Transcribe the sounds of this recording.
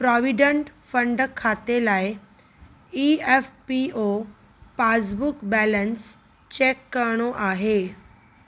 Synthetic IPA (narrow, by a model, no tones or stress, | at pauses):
pɾɔʋiɖəɳʈfəɳɖkʰːat̪elaj | iefpio | pad͡zbukbæləns | t͡ɕekːəɾɳ̃oʔaɦe